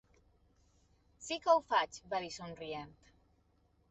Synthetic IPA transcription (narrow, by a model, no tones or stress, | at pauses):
sikəwfat͡ʃβaðisonrient̪